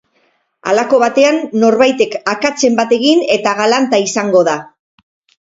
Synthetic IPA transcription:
a̰lako̞β̞at̪e̞anːo̞ɾβajt̪e̞kakat͡se̞mbat̪e̞ɣine̞t̪aɣalant̪aisaŋɡo̞ða

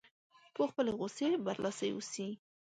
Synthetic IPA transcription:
poxpəleɣosebaɾlʔasəjwṵsi

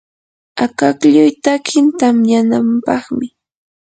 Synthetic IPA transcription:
akakʎʊjt̪akʰɪnt̪amjanampɑχmɪ

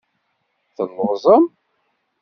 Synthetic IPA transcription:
θənːʁzˤəm

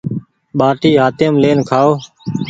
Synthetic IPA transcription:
ɓaːʈiːɦaːt̪ɪːmleːnkʰaːoː

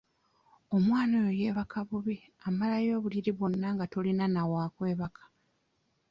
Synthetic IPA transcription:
o̞mwaːnojoje̞ːβakʰaβuβi | amalajo̞ːβuliɾiβo̞nːaːŋɡatolinanawaːkwe̞ːβakʰḁ

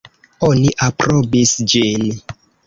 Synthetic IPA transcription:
oniʔapɾobisd͡ʒin

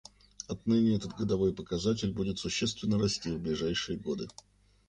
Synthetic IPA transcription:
ɐt̪nɨnʲɪɛt̪ət̪ɡəd̪ɐvo̞jpəkɐzat̬ʲɪlʲbudʲɪt̪sʊɕːe̞st̪vʲɪnːəɾɐsʲtʲivblʲɪʐajʂɨjəɡo̞d̪ɨ

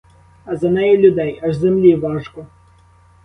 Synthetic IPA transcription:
ɐzɐnɛjɛlʲʊd̪ɛjɐʐzɛmlʲiʋɑʐkɔ

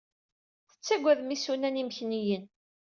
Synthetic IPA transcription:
θə̥t͡sːæɡʷːæðmisunænimçnijən

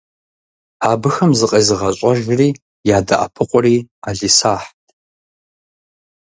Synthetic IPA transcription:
aːbɨxɐmzɨqʼeːzɨʁɐɕʼɐʒriː | jaːda̰ʔa̰pʰɨqʷʼʊriːaːɮiːsaːħtʰʼ

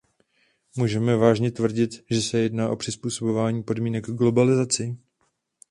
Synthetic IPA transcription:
muːʒɛmɛvaːʒɲɛt̪vr̩ɟɪt̪ʒɛsɛjɛdnaːʔo̞pr̝̥ɪspuːso̞bo̞vaːɲiːpo̞dmiːnɛɡɡlo̞balɪzat͡sɪ

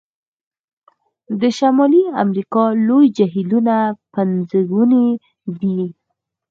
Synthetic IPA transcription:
d̪əʃamɑlia̰mɾikɑlojd͡ʒaɦilunapanzəɡune | d̪i

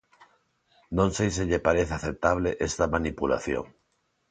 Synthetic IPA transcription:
nõnsejs̬eʎepaɾeθaθep̚t̪aβleʔest̪amanipula̰θjo̰ŋ

